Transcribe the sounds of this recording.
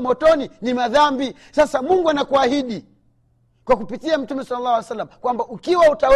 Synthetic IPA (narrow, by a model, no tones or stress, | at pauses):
mɔtɔninimaðambi | sasamuŋɡuanakuahiɗi | kwakupitiam̩tumɛsalalːawasalːamakwambaukiwauta